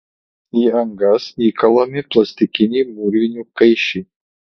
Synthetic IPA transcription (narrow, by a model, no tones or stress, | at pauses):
iɐŋɡɐsiːkɐlˠɐmʲɪplˠɐsʲt̪ʲɪkʲɪnʲiːmuɾʲʋʲɪnʲukɐjʃi